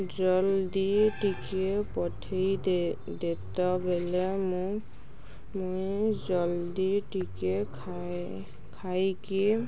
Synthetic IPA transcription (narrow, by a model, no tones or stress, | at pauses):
d͡ʒɔld̪iʈikepɔʈʰej | d̪et̪ɔbʱelem | mujd͡ʒɔld̪iʈikekʰ | kʰajki